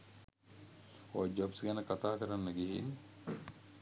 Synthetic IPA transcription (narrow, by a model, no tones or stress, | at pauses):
oad͡ʒɔbsɡɛnəkat̪aːkəɾanːəɡiɦḭn